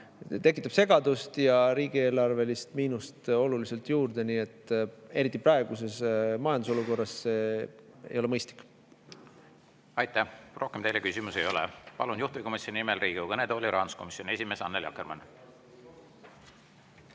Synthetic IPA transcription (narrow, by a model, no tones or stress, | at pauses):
t̪e̞kːˑit̪ˑːɑb̥se̞ɡ̥ɑd̪ust̪jɑɾiːɡ̥ie̞ːlɑrve̞list̪miːnust̪o̞lulise̞lt̪juːrd̪e̞niːe̞t̪ːˑe̞ɾit̪ːˑiprɑeɡ̥use̞smɑjɑnd̪uso̞luko̞rːɑsːeḛjo̞leɤjst̪li̥kːˑ | ɑjt̪ːæhro̞hkemt̪ejlekysʲimusejo̞lɛ̰pɑ̰lunjuht̪uviko̞misjoninimelriːɡ̥iukɤned̪olʲiɾʔɑːnusko̞misˑjonie̞sʲime̞ːsɑnːeljɑ̰kːerɾmɑ̰n